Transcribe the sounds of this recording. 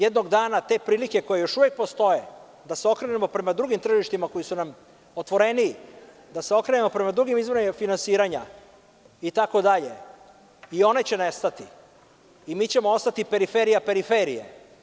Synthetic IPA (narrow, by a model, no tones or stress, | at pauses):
jed̪no̞ɡd̪aːnat̪e̞ːpɾiːlike̞ko̞jejo̞ʃuʋjek̚po̞st̪o̞je̞ | d̪aseo̞kɾenemo̞pɾe̞mad̪ɾuɡimt̪ɾr̩ʒiʃt̪imako̞jisunam | ot̪ʋo̞ɾe̞niː | d̪ase̞o̞kɾenemo̞pɾe̞mad̪ɾuɡimizʋonefinansiːɾaɲa̰ | it̪ako̞d̪aʎe̞̰ | io̞ne̞t͡ɕe̞nest̪at̪i | imiːt͡ɕe̞moost̪at̪ipe̞ɾife̞ɾijape̞ɾifeɾije̞̰